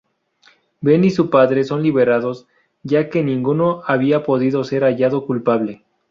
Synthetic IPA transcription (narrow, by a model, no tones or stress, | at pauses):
be̞nisupaðɾe̞so̞nliβe̞ɾaðo̞z | ʝake̞nĩŋɡuno̞aβiapo̞ðiðo̞se̞ɾaʝaðo̞kulpaβle̞